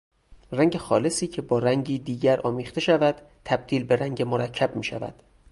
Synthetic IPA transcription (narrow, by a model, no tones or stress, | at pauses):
ræŋɟe̞xɒːle̞siːcʰe̞bɒːɾæŋɟiːd̪iːɟæɾɒ̰ːmiːχt̪ʰe̞ʃævæd̪̥ | t̪ʰæb̚d̪̥iːlbe̞ɾæŋɟemoɾæcʰːæb̥̚miːʃæ̰væ̰d̪̥